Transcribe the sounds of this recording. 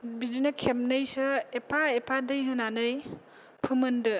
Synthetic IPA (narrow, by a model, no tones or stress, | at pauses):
bidinakʰemnɯjsɯepʰaepʰadɯjɦɯnanɯj | pʰɯmɯndɯ